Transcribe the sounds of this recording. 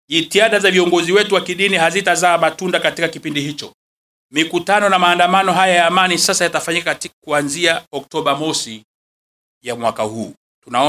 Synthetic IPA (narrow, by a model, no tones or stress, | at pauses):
ʄitiaɗazaviɔŋɡɔziwɛtuwakiɗiniɦazitazaːmatundakatikakipindihit͡ʃɔ̰ | mikutanɔnamaːndamanɔɦajajaːmanisasajatafaɲikaktikuanziaɔk̚tɔɓamɔsi | jamwakahuː | tunaɔ